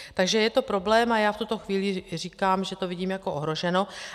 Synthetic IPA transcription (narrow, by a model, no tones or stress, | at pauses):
t̪aɡʒɛjɛt̪o̞pɾo̞blɛːmʔajaːft̪ut̪o̞xviːlɪr̝iːkaːmʒɛt̪o̞vɪɟiːmjako̞ʔoɦɾo̞ʒɛno̞